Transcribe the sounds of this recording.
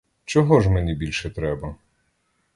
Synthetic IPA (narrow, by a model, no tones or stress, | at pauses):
t͡ʃɔɦɔʒmenʲibʲilʲʃɛt̪ɾɛbɐ